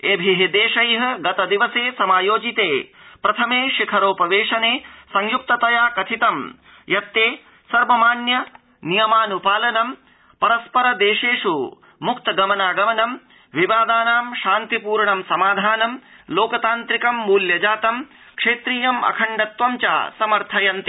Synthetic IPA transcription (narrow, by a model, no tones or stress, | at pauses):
eːbʱiɦed̪eːʃɐjɦɐ̆ɡɐt̪ɐd̪iʋɐseːsɐmaːjoːd͡ʒit̪eːpɾɐt̪ʰɐmeːʃikʰɐɾoːpɐʋeːʂɐneːsɐŋjuk̚t̪ɐt̪ɐjaːkɐt̪ʰit̪ɐm | jɐt̪ːeː | sɐɾʋɐmaːnjɐ | nijɐmaːnupaːlɐnɐm | pɐɾɐspɐɾɐd̪eːʂeːʂu | mukt̪ɐɡɐmɐnaːɡɐmɐnɐm | ʋiʋaːd̪aːnaːmʃaːnt̪ipuːɾɳɐmsɐmaːd̪ʱaːnɐmloːkɐt̪aːnt̪ɾikɐmːuːljɐd͡ʒaːt̪ɐm | kʂeːt̪ɾiːjɐmɐ̰kʰɐɳɖɐt̪ʋɐmt͡ʃa̰ːsɐmɐɾt̪ʰɐjɐnt̪i